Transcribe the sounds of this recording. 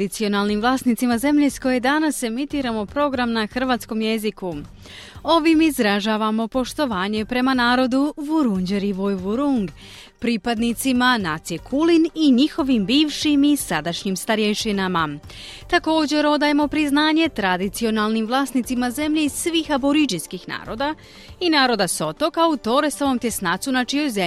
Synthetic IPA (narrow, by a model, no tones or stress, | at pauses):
it̪sio̞nalˠnimʋlˠaːsnit̪simaze̞mʎe̞sko̞je̞d̪anase̞mit̪iːɾamo̞pɾo̞ɡɾamnaxr̩ʋaːt̪sko̞mje̞ziku | o̞ʋimizɾaʒaːʋamo̞po̞ʃt̪o̞ʋaːɲe̞pɾe̞manaːɾo̞d̪uʋuɾuɲd͡ʑeɾiʋojʋuɾuŋɡ | pɾiːpad̪nit̪simanat̪siekʰuliniɲixo̞ʋimbiːʋʃimisad̪aʃɲimst̪aɾjeʃinama | t̪ako̞ːd͡ʑe̞ɾo̞d̪aːjemo̞pɾiznaːɲe̞t̪ɾad̪it̪sio̞nalˠnimʋlˠaːsnit̪simaze̞mʎe̞iz̥sʋiːxaboɾid͡ʒinskixna̰ːɾo̞ːd̪a | inaːɾo̞d̪aso̞t̪o̞kaut̪o̞ɾesaʋo̞mt̪je̞snaːt̪sunat͡ʃijo̞jzem